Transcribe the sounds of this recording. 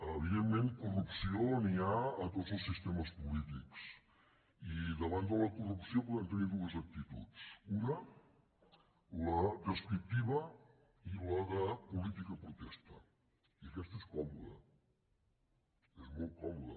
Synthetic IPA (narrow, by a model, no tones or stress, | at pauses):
əβiðemmẽnt̪̚kurupsioniaːt̪ozolˠsist̪ɛməspulit̪iks | iðəβand̪ələkurupsiopɔðənt̪əniɾðuəzək̚t̪it̪ṵt͡sunə | ləd̪əskɾik̚t̪iβə | iləðəpulit̪ikəpɾut̪ɛst̪ə | iəkɛst̪eskɔmuðə̰ | ɛzmolˠt̪̚kɔmuðə̰